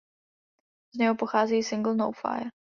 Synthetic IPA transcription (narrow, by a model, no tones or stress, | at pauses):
zɲɛɦopoxaːzɛːsɪŋɡl̩ˠnowfa̰j